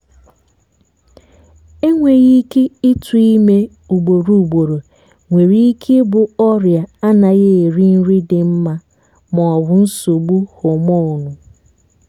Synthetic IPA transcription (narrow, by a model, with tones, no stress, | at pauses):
e˦ŋʷe˨ɣi˦ke˦ɪ˦tʰu˨˦i˦me˦ | u˨ɡ͡bo˨ɾu˨u˨ɡ͡bo˨ɾo˨ | ŋʷe˨ɾi˦i˦kʰe˦bʊ˨ɔ˦ɾja˨a˦na˨ɣe˦e˨ɾi˦n̩˦ɾi˦dɪ˨m̩˦ma˦ | mɔ˨ɔ˨wʊ˨n̩˦so˨ɡ͡bu˦ho˨mɔ˦˨nʊ˨